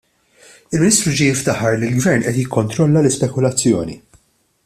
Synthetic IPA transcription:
ɪlmɪnɪːst̪ɾud͡ʒijɪft̪ɐħːɐɾlilɡvɛɾnʔɛt̪jɪkːɔnt̪ɾɔlːɐlɪspɛkʊlɐt͡sːjɔːnḭ

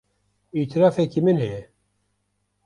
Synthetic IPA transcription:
it̪ʰiɾɑːfɛkimɨnhɛjɛ

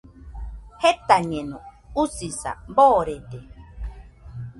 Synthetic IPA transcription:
het̪aɲẽnõusisa̰boːɾede

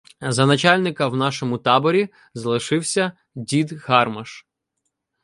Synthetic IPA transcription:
zɐnɐt͡ʃɑlʲnɪkɐwnɑʃɔmʊt̪ɑbɔɾʲi | zɐlˠɪʃɪwsʲɐ | dʲid̪hɑrmɐʃ

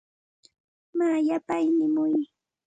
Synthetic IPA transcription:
majapajnɪmʊj

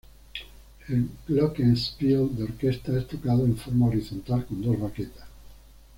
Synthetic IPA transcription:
elɡlɔkenspiod̪eoɾkest̪aest̪okað̞oeɱfoɾmaoɾiθont̪alkõnd̪ozβaket̪ḁs

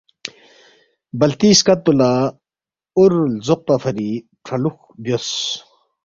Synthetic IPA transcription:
bɐlt̪iːskɐt̪̚bula | ʊɾlzoq̚pafʰɐɾi | ʈ͡ʂʰɐlux | bjos

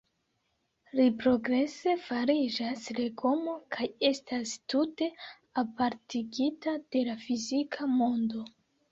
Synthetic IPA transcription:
ɾipɾo̞ɡɾe̞se̞faɾid͡ʒasle̞ɡo̞mo̞kʰaje̞stastute̞ | apaɾtiɡitad̥e̞lafizikʰamo̞ndo̞

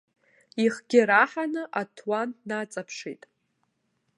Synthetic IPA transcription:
iχɡʲɪɾaħanɨʔatʰwannat͡sʼapʰʂḭtʼ

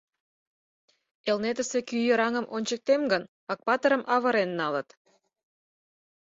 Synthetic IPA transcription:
elnet̪ə̆sekyjə̆ɾɑŋəmʔonʲt͡ɕək̚t̪emɡən | ɑk̚pɑt̪əɾəmʔɑβə̆ɾenːɑlət̪

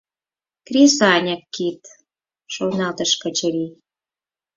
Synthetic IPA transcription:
krʲesɑnʲə̆kːit̪ | ʃonɑt̪ə̆ʃkə̆t͡ɕə̆ɾi

